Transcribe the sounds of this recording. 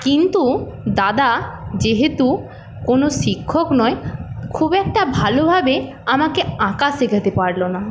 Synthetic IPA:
kint̪u | d̪ad̪ad͡ʑeɦet̪u | konoʃikʰːoknɔekʰubɛk̚ʈabʱalobʱabe | amakeãkaʃekʰat̪epaɾlona

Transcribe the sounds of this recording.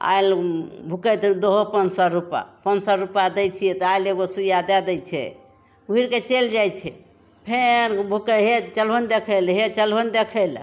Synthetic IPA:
a̰il | bʱukət̪d̪oɦopənsɔɾupa̰pənsɔɾupad̪ɛjt͡ʃʰiɛt̪ɔajleɡosujad̪ad̪ɛjt͡ʃʰɛ̰ | uɦiɾket͡ʃeld͡ʒajt͡ʃʰɛ | pʰenbʱukəɦet͡ʃəlɦənd̪ekʰəlɦet͡ʃəlɦənd̪ekʰəl

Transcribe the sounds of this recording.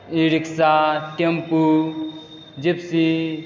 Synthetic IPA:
iɾiksaʈempu | d͡ʒipsi

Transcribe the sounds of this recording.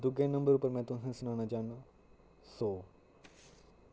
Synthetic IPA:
d̪ʊɡẽːnəmbəɾʊpːəɾmɛ̃ːt̪ʊsãsʊnaːnaːd͡ʒaːaː | soː

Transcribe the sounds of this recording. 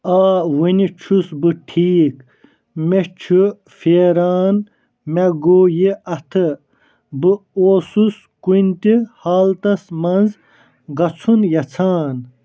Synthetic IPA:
aːwinit͡ʃʰusbɨʈʰiːk | met͡ʃʰu | feːɾaːn | mɐɡoːjiɐt̪ʰɨ | bɨoːsus | kunʲt̪ihaːlt̪ɐsmɐnz | ɡɐt͡sʰunjɐt͡sʰaːn

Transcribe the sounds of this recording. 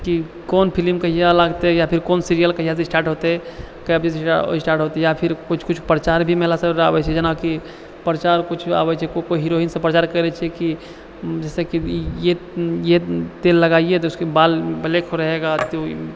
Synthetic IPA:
ki | konpʰilimkəɦijalaɡt̪ejapʰiɾkonsiɾijəlkəɦijas̬esʈaːɾʈɦot̪e | kəəbd͡ʒissisʈaɾʈɦot̪ejapʰiɾkut͡ʃʰkut͡ʃʰpɾət͡ʃaɾbʱimeɦlasəbɾabɛt͡ʃʰɛd͡ʒənaki | pɾət͡ʃaɾkut͡ʃʰa̰bɛt͡ʃʰɛkokoiɦiɾoinsẽpɾət͡ʃaɾkəɾɛt͡ʃʰɛki | d͡ʒɛsekijejet̪elːəɡaiet̪̬ɔuskebalbəlekʰoɾəɦeɡat̪o

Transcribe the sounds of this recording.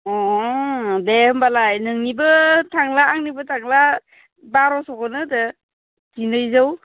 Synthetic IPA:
ɔ | behɯmbalajnɯŋnibɯtʰaŋlaːŋnibɯtʰaŋla | baɾɔsɔkɔnɯdɯ | ɡinɯjzaw

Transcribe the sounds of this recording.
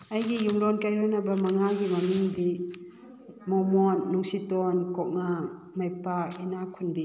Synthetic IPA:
ajɡijuŋlɔnkajɾɔnabamaŋaɡimanuŋdi | mɔmɔnːuŋsitɔnkɔk̚ŋa | majpakinakʰunbi

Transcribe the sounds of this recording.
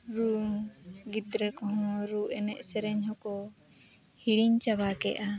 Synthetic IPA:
ɾu | ɡid̪ɾəkɔɦɔ̃ɾuʔɛnɛʔsɛɾɛɲhɔ̃kɔ | hiɽiɲt͡ʃabakɛ̰ʔa

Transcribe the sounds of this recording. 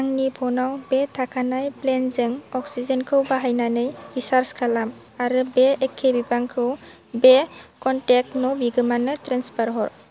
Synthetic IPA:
aŋnipʰɔnawbetʰakʰanajplenzɯŋɔksizenkʰɯwbaɦajnanɯjɾisaɾskʰalam | aɾɯbeːkʰːebibaŋkʰɯw | bekɔntek̚tnɔbiɡɯmanɯtɾanspaɾɦɔɾ

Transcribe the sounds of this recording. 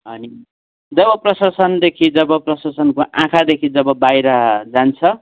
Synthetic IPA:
ɦʌni | d͡zʌbʌprʌsasʌnd̪ekʰid͡zʌbʌprʌsasʌnkoʔã̰kʰad̪ekʰid͡zʌbʌbajɾʌd͡zant͡sʰʌ

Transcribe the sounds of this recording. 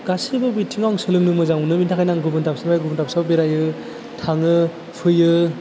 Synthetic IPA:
ɡasibɯbitʰiŋawŋsɯlɯŋnɯmɯzaŋunɯbintʰakʰajnaŋɡubɯntʰap̚sabajɡubɯntʰap̚sawbeɾajɯ | tʰaŋɯ | pʰɯjɯ

